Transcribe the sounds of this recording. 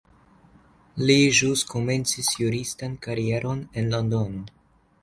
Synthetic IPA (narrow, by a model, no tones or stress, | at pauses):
liʒuskome̞nt͡sisjuɾistankaɾie̞ɾʔo̞ne̞nlo̞ndon